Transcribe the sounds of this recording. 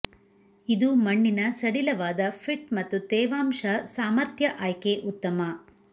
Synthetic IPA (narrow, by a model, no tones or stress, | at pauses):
id̪umɐɳːinɐsɐɽilɐʋaːd̪ɐpʰiʈmɐt̪ːut̪ɛːʋaːmʂɐsaːmɐɾt̪jɐʔaːjkeʔut̪ːɐmɐ